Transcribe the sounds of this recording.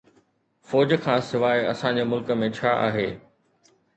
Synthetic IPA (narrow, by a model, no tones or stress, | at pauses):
fɔːd͡ʑkʰãːsɪʋaːeɐsãɲd͡ʑeːmʊlkə̆mẽt͡ɕʰaːʔa̰ːɦeː